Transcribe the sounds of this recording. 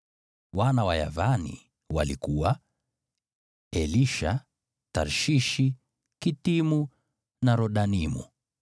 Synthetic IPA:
wanawaja̰vanḭ | walikuwa | ɛliʃa | taɾʃiʃi | kitimu | naɾɔɗanimṵ

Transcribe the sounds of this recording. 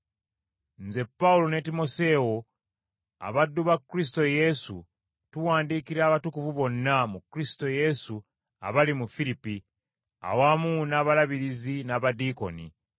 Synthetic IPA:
nze̞pːaulo̞netimo̞se̞ːwo̞ | a̰βadːuβakːɾis̬ito̞je̞sṵ | tuwaːndiːkiɾaːβatukuvuβo̞nːamukɾisi̥to̞je̞su | a̰βalimufilipi | a̰waːmuːnaːβalaβiɾizinaːβadiko̞̰nḭ

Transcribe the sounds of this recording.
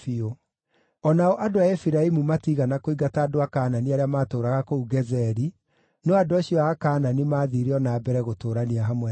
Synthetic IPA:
io | ɔnaɔʔadoaefiɾaimumatiɣanakoiɡataːdoakaːnaniaɾeamaːtoːɾaɣakouɡɛzɛɾi | nɔadoaɕiɔaakaːnanimaːðiɾeɔnaːbɛɾɛɣotoːɾaniaɦamwɛ

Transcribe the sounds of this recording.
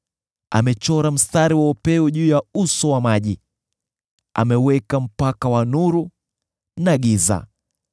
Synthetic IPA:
a̰mɛt͡ʃɔɾam̩staɾiwaupɛuʄuːjausɔwamaʄi | a̰mɛwɛkam̩pakawanuɾu | naɠiza̰

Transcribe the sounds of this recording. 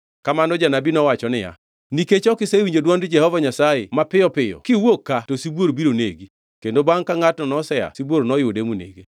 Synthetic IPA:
kamanɔd͡ʒanabinɔwat͡ʃɔnɪja̰ | niket͡ʃɔkɪsewiɲd͡ʒodwandd͡ʒɛhɔvaɲasajḛmapɪjɔpɪjɔ̰kɪwokːatosibwoɾbiɾonḛɡi | kendobaŋkaŋatnɔnɔsɛja̰siboɾnɔjʊdemunḛɡe

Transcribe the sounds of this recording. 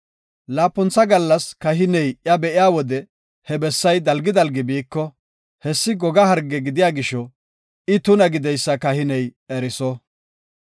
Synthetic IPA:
laːpːʊnt͡sːɐɡɐlːɐskɐɦɪnɛjʔjɐbɛʔɪjaːwɔd̪ɛ | hɛbɛsːɐjd̪ɐlɡɪd̪ɐlɡɪbiːkːɔ | hɛsːɪɡɔɡɐhɐɾɡɛɡɪd̪ɪjaːɡɪʃɔ | ɪt̪ʊnɐɡɪd̪ɛjsːɐkɐhɪnɛjɛɾɪsɔ

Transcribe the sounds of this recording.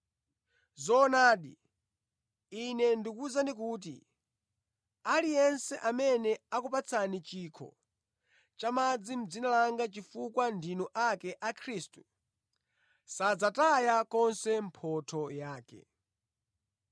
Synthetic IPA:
zɔːnaːɗḭ | inɛndikuzandik̬uːt̬ḭ | alijɛnsɛʔamɛnɛakupat͡sʰanit͡ʃiːkʰɔ̰ | t͡ʃamad͡zim̩d͡zinalaŋɡat͡ʃifukwandinɔʔakɛʔakʰɾistu̥ | sad͡zatajakɔnsɛm̩pʰɔtʰɔjaːkɛ̰

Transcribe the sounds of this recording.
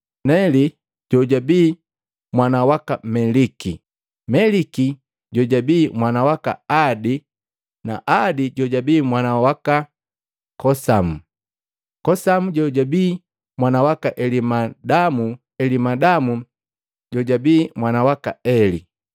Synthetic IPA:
nɛli | ɟɔɟabiː | mwanawakamɛliki | mɛliki | ɟɔɟabiːmwanawaka̰adi | na̰ʔadiɟɔɟabiːmwanawaka | kɔsamu | kɔsamuɟɔɟabiː | mwanawakaʔɛlimadamu | ɛlimadamu | ɟɔɟabiːmwanawaka̰ɛli

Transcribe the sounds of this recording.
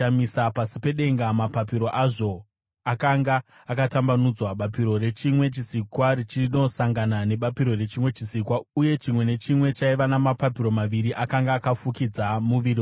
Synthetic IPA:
amisapasipe̞ɗe̞ŋɡamapap̬iɾo̞ʔaʐo̞ | akaŋɡaː | katambanud͡zwaɓapiɾo̞re̞t͡ʃimwe̞t͡ʃisikwaɾit͡ʃino̞saŋɡanane̞ɓapiɾo̞re̞t͡ʃimwe̞t͡ʃisikwauje̞t͡ʃimwe̞ne̞t͡ʃimwe̞t͡ʃaiʋanamapapiɾo̞maʋiɾiʔakaŋɡaːkafukid͡zamuʋirio

